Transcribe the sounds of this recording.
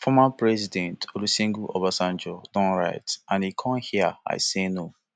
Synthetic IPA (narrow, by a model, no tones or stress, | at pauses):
fɔmãpɹɛzidɛ̃ntolusĩŋɡuʔɔ̰basãnd͡ʒɔdɔ̃nɹaɪtãnikʰɔ̃mhiəa̰ɪseno